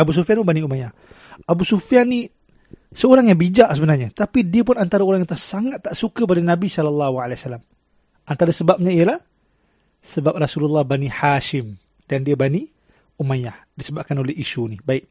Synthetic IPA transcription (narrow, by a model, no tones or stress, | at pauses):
abus̬ufianpʊnbaniumajah | abusufiani | səoɾaŋjaŋbid͡ʒaʔsəbənarɲat̪apidiəpʊnant̪aɾaoɾaŋjat̪uasaŋat̪ːaʔsukəp̬adanabisɔlɔlːɑɦualeasalːam | ʔant̪aɾasəbap̚ɲaijəlah | səbap̚rasululːɑhbanihaʃɪm | dandiabani | umajah | disəbaʔ̚kanolɛhisunibaɪk̚